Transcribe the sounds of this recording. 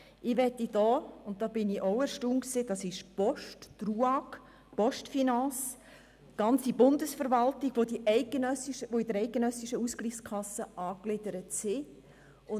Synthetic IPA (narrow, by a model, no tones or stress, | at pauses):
ʔɪʋɛtid̥ɔːʊnt̚d̥ɑːb̥ɪniʔɔʊəɾʃtuːnksed̥ɑsɪʃpɔʃttruɑk | pɔʃtfinɑs | ɡ̥ɑnt͡sibʊndəsfəɾvɑltɪɡ̥ʋodiʔɛɪk̚ɡ̥ənœsiʃəʋoidəɾɛɪk̚ɡ̥ənœsiʃəuskliχskʰɑsːəɑːklɪdəɾətsɪ | ʊ